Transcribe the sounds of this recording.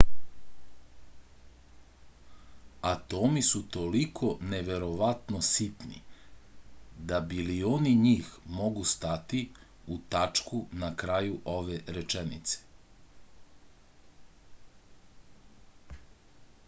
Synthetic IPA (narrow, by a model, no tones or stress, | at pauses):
at̪o̞misut̪o̞likʰo̞neʋe̞ɾo̞ʋat̪no̞sit̪nḭ | d̪abilioniɲiːxmo̞ɡust̪at̪i | ut̪at͡ʃkunakɾajuʔo̞ʋeɾet͡ʃenḭt̪se̥